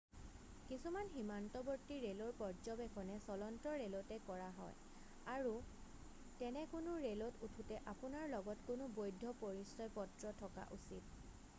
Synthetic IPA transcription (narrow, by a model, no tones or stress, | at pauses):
kisumanɦimantɔbɔɹtiɹelɔɹpɔɹd͡ʒɔbɛkʰɔnɛsɔlɔntɔɹelɔtɛkɔɹaɦɔ̰j | aɹu | tɛnɛkʊnʊɹelɔtutʰutɛʔapʊnaɹlɔɡɔtkʊnʊbojdʱːɔpoɹisɔjpɔtɹɔtʰɔka̰ʔusit̚